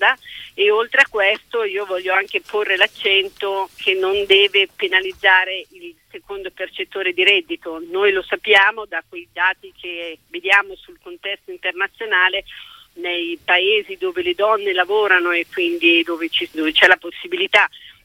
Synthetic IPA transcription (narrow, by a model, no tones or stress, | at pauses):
d̪aeolt̪ɾeakːwɛst̪oiːovɔʎːoaŋkeporːelat͡ʃːɛnt̪okʰenːond̪ɛːvepenalid̪zːaːɾeilsekond̪opert͡ʃet̪ːoːɾed̪iɾɛd̪ːit̪onoːjlosapːjaːmod̪akwejd̪aːt̪ik̟ʰeved̪jaːmosulkont̪ɛst̪oint̪ernat̪sːjonaːle | nejpaeːzid̪oːveled̪ɔnːelavoːɾanoekːwind̪id̪oːvet͡ʃid̪ovet͡ʃɛlaposːibilit̪a